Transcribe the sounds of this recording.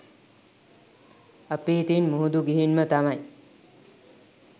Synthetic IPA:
əpeːt̪inmuɦud̪uɡiɦinmət̪amaj

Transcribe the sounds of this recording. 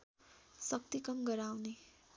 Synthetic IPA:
sʌk̚t̪ikʌmɡʌɾawne

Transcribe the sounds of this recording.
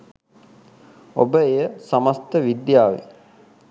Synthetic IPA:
obəejəsaməst̪əʋid̪jaːʋḛ

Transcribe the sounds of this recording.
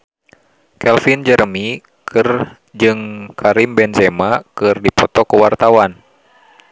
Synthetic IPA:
kɛlfind͡ʒərmi | kʰɨr | d͡ʒɨŋkʰaɾimbɛnzɛmakɨrdipɔt̪ɔkuwart̪awan

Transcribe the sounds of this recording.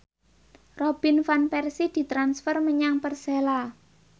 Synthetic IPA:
rob̥i̤nfanpɛrsid̪̥i̤t̪ɾansfərməɲaŋpərsela

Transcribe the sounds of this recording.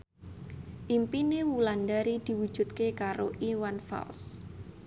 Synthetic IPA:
ʔimpinewulandaɾid̪̥i̤wud̥ʒ̥ṳt̪̚kekaɾoʔiwanfa̰ls

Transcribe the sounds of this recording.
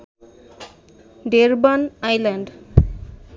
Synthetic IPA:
ɖeɾbanajlaɳɖ

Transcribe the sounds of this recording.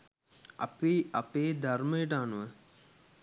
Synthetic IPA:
ɐ̰piɐpeːd̪ʱɐrməjəʈəaːnuʋə

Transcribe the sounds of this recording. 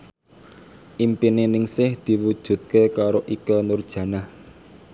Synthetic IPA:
ʔimpinenɪŋsɪhd̪̥i̤wud̥ʒ̥ṳt̪̚kekaɾoʔikɔnʊrd̥ʒ̥ä̤nah

